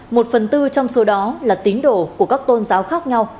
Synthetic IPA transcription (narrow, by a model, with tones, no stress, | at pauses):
mo˨˩t̚fə˨˩nt̪ɨ˧t͡ɕɔ˧wŋ͡mso˨˦ɗɔ˨˦laː˨˩t̪i˨˦ənɗo̰˧˩ku˧˩əkaː˦˥k̚t̪o˧nzaː˨˦wxaː˦˥k̚ɲa˧w